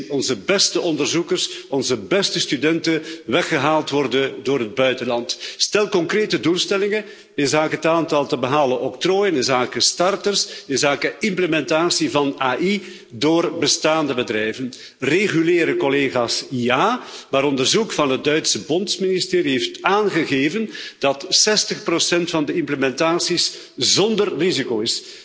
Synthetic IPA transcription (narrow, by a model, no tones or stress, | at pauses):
ɔnzəbɛstəʔɔndərzukərsɔnzəbɛstəstydɛntəʋɛxəɦaːlˠtʋɔrdəndoːɾɦəd̚bœɥtəlɑntstɛlˠkɔŋkreːtədulˠstɛlɪŋə | ɪnzaːkəɦətaːntɑlˠtəbəɦaːləʔɔk̚troːjənɪnzaːkəstɑrtərsɪnzaːkəɪmpləmɛntaːsivɑnaːʔi | doːrbəstaːndəbədrɛjvən | reɣyleːɾəkɔleːɣaːsjaːmaːɾɔndərzukfɑnɦət̚dœɥtsəbɔntsministeːɾiɦeːftaːnɣəɣeːvənd̥ɑtsɛstəxprosɛntfɑndəɪmpləmɛntaːsis | zɔndərrizikoːɪs